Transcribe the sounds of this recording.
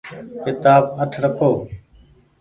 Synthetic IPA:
kɪt̪aːbəʈʰɾəkʰoː

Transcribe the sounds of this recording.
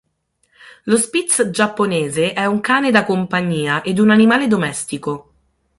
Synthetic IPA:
lospit̪sd͡ʒapːoneːzeʔɛuŋkaːned̪akompaɲːiːaʔed̪unanimaːled̪omɛst̪iko

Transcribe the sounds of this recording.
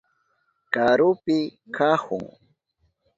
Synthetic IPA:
kaɾʊpɪkʰahʊ̰ŋ

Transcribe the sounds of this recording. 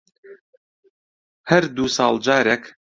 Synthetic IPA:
hɐɾd̪uːsɑːlˠd͡ʒaːɾek

